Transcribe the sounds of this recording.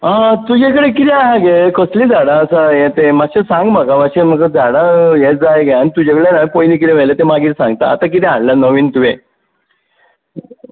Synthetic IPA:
ãt̪ud͡ʑekəɽekit̪ɛaɦaɡekoslid͡zaɽaːsajet̪emaɕesãŋɡmaɡamaɕeməkad͡zaɽajed͡zajɡeanit̪ud͡ʑakəɽenajipojnik̬iɾeʋɛlat̪emaɡiːtsãŋɡt̪a̰ːt̪ak̬it̪ɛaɽlanəʋiːnt̪uʋe

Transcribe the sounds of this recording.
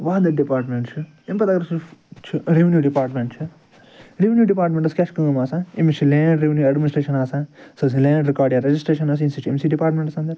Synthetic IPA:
ʋaːd̪ɐɖipaːɾʈmeɳʈt͡ʃʰɨ | impɐt̪ɐkɐɾɐt͡ʃʰit͡ʃʰiɾiʋinjuːɖipaːɾʈmeɳʈt͡ʃʰɨ | ɾiʋinjuːɖipaːɾʈmeɳʈɐskʲɛʃkɐŋɡɐmaːsãːimit͡ʃʰilẽːɖɾeʋinjuɐɖminisʈɾeːʃɐnaːsãːsɐs̬ilẽːɖɾikaːɾɖijaːɾɐd͡ʒisʈɾeːʃɐnaːs̬insit͡ʃʰemsiɖipaːɾʈmẽɳʈɐsɐnd̪ɐɾ

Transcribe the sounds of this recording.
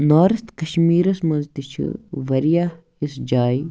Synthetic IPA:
naːɾɐst̪kɐʃmiːɾɐsmɐzd̪it͡ʃʰḭʋɐɾijaː | isd͡ʒaːi

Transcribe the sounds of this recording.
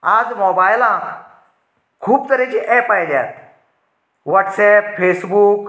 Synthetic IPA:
ad͡zmɔbajlãk | kʰuːbt̪əɾẽt͡ɕiʔɛpajljat̪ | ʋaʈsɛpfesbuːk

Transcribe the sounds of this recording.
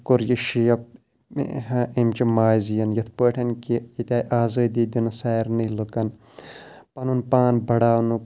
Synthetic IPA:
koɾjiʃijɐp̚ | ɦɐʔimt͡ʃimaːzijɐnjɐt̪ʰpəːʈʰɐnkiit̪ʲaːjʔaːzɐːd̪iːd̪inɐsaːɾnilɨkɐn | pɐnunpaːnbɐɽaːnu

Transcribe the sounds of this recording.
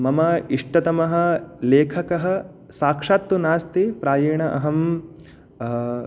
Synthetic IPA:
mɐmɐiʂʈɐt̪ɐmɐɦɐ̆leːkʰɐkɐɦɐ̆ | saːkʂaːt̪ʋunaːst̪ipɾaːjeːɳɐʔɐɦɐm

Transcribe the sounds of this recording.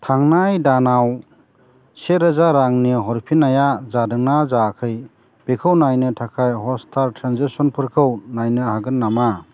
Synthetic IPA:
tʰaŋnajdanaw | seɾɯzaɾaŋniɦɔɾpʰinajazadɯŋnazakʰɯj | b̥ekʰɯwnajnɯtʰakʰajɦɔstʰaɾtʰɾanzisɔnpʰɯɾkʰɯwnajnɯhaɡɯnːama

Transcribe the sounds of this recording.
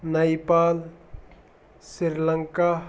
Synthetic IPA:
nəjpaːl | siɾləŋka

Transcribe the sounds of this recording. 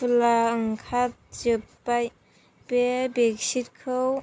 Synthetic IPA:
ulaɯŋkʰat̚zɯp | aj | pebeksit̚kʰɯw

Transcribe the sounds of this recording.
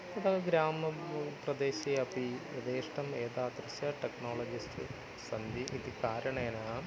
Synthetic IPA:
ɐd̪ɐɡɾaːmɐprɐd̪eːɕijɐpied̪eːʂʈɐmeːd̪aːd̪ɾɐsɐʈeknoːɭɐd͡ʑisʈɨ | sɐnd̪ʱiʔid̪ikaːɾɐɳɐenaː

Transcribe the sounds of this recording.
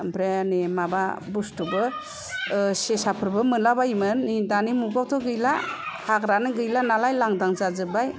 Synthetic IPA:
bɾenemababustubɯ | sesapʰɯɾbɯmɯnlabajmɯnːidanimuɡawtʰɔɡɯjlahaɡɾanɯɡɯjlanalajlaŋdaŋzazɯbaj

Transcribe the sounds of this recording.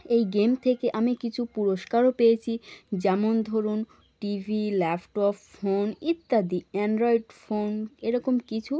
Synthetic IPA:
ejɡemt̪ʰekeʔamikit͡ɕʰupuɾoʃkaɾopejet͡ɕʰid͡ʑɛmond̪ʱoɾun | ʈivʱilɛfʈɔpːonit̪ːad̪iɛnɖɾoiɖfoneɾɔkomkit͡ɕʰu

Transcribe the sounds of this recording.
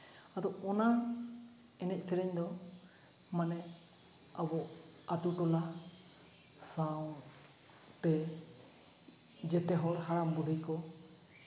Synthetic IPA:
ad̪ɔɔna | ɛnɛc̚ˀpʰɛɾɛɲd̪ɔ | manɛ | abɔ | at̪uʈɔla | saw | t̪ɛ | d͡ʒɛt̪ɛɦɔɾhaɽambud̪ʱijkɔ

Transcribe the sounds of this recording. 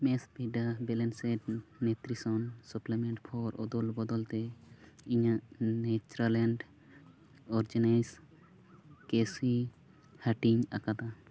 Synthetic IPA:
mɛsbʱiɖabɛlɛnsɛʈnɛt̪ɾisɔnsuplemɛ̃ɳʈpʰɔɾʔɔ̰d̪ɔlbɔd̪ɔlt̪ɛiɲanɛt͡ʃuɾalɛɳɖ | ɔɾd͡ʒɛnas | kesi | haʈiɲakad̪a

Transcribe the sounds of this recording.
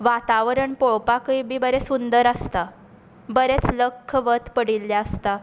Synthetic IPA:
ʋat̪aʋəɾəɳpoɭpakəibiːbəɾesund̪əɾəst̪a | bəɾet͡sləkʰːəʋət̪pəɽiljaəst̪a

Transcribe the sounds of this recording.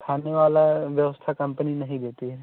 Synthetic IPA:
kʰaːneʋaːlaʋjəʋəst̪ʰakɐ̃mpəninɐɦĩd̪eːt̪iɦɛ

